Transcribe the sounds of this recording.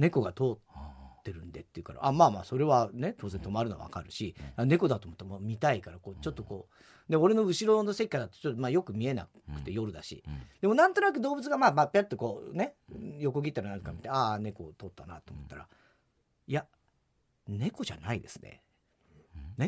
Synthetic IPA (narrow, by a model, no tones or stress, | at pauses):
ne̞ko̞ɡat̪o̞ːt̪ːe̞ɾɯ̟̃nd̪e̞t̪ːeiɯ̟ka̰ɾa̰ʔamaːma̰ːso̞ɾe̞βane̞t̪oːzẽ̞nt̪o̞maɾɯ̟no̰βa̰kaɾɯ̟ɕiane̞ko̞d̪at̪oːmot̪ːemoːmʲit̪aikaɾako̞ːt͡ɕo̞t̪ːoko̞ː | d̪eo̞ɾe̞no̞ɯ̟ɕiɾo̞no̞se̞kʲːad̪at̪ːo̥t͡ɕot̪ːomaːjo̞kɯ̟mʲie̞na̰ | kɯ̟̥t̪e̞jo̞ɾɯ̟d̪aɕḭd̪̥e̞mo̞nãnt̪o̞nak̬ɯ̟d̪o̞ːbɯ̟t͡sɨɡamaːmapʲːat̪ːoko̞ːnejo̞ko̞ɡʲit̪ːaɾanankamʲit̪eane̞ko̞t̪o̞ːt̪ːana̰t̪oːmo̞t̪ːaɾa̰ | ija | ne̞ko̞ʑa̰naid̪e̞sɨ̥nḛ | ne̞